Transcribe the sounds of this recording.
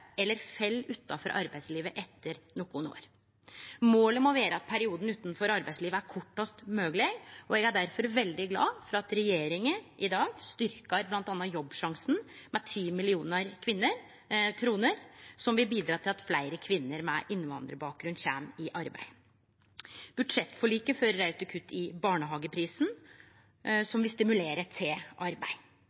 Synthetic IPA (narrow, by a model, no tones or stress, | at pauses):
ɛlːəɾfɛlːʉt̪ːɑfɔɾʔɑ̰ɾbæɪsliːʋəʔɛt̪ʰːəɾnɔkːʊno̰ːɾ | moːləmɔʋeːɾəɑt̪̚pʰæɾɪuːd̪n̩ʉːt̪nfɔɾɑɾbæɪsliːʋəæɾkʰɔʈːɑst̪møːɡleɡɔɛɡæɖæɾfɔɾʋɛld̪ɪɡlɑ̰ːfɔɾɑɑt̪ɾɛjeːɾɪŋəʔɪd̪ɑːɡst̪ʏɾkɑɾblɑnt̪ɑnːɑjɔbːʂɑŋsn̩mɛt̪ʰiːmɪlɪuːnəɾkʰʋɪnːəɾ | kʰɾuːnəɾsɔmʋɪbiːd̪ɾɑːt̪ʰɪlɑt̪flæɪɾəkʰʋɪnːəɾmɛ̰ʔɪnːʋɑ̰nd̪ɾəbɑːk̚ɡɾʉnd̪ɕæːmɪʔɑɾbæ̰ɪ | b̥ʉd̪ʂɛt̪ːfɔɭiːkəfœɾːæʉt̪əkʰʉt̪ʰːɪbɑːɳəɦɑːɡəpʰɾiːsn̩ | sɔmʋɪst̪ɪmʉleːɾət̪ʰeːʔɑɾbæɪ